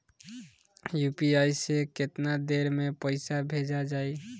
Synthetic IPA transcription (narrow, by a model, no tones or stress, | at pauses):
jupiajseket̪nad̪eɾmepəɪsabʱed͡ʒad͡ʒaj